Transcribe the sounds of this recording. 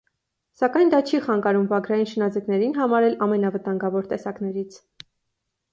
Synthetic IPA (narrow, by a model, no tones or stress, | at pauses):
sɑkɑjnd̪ɑt͡ʃʰiχɑŋɡɑɾumvɑɡɾɑjinʃənɑd͡zɛknɛɾinɦɑmɑɾɛlɑmɛnɑvət̪ɑŋɡɑvɔɾt̪ɛsɑkn̪ɛɾit͡sʰ